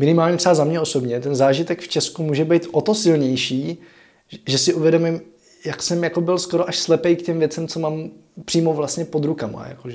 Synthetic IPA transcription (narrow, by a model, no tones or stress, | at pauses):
mɪnɪmaːlɲɛt̪rɛbazamɲɛʔo̞so̞bɲɛt̪ɛnzaːʒɪt̪ɛkft͡ʃɛskumuːʒɛbɛjt̪ʔot̪o̞sɪlɲɛjʃiː | ʒɛsɪʔuvjɛdo̞mɪm | jaksɛmjako̞bɪlsko̞ɾoʔaʃslɛpɛjkcɛmvjɛt͡sɛmt͡so̞maːmpr̥iːmovlast̪ɲɛpo̞d̪ɾukama̰ja̰koʒɛ